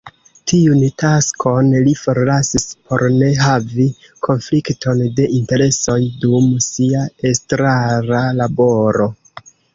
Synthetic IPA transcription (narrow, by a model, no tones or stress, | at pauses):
tʰiuntaskʰo̞nlifo̞ɾlasispʰo̞ɾne̞ɦavi | kʰo̞nfliktʰo̞nde̞ʔinte̞ɾe̞so̞jdumsiae̞stɾaɾalabo̞ɾo̞